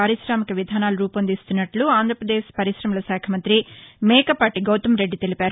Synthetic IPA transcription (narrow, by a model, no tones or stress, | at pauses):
aːɾiʃɾaːmikɐʋid̪ʱaːnaːluɾuːpɐnd̪ist̪unːɐʈluaːnd̪ʱɾɐpɾɐd̪eːʃpɐɾiʃɾɐmɐlɐʃaːkʰɐmɐnt̪ɾimɛːkɐpaːʈiɡɐwt̪ɐmɾe̞ɖːit̪e̞lipaːɾu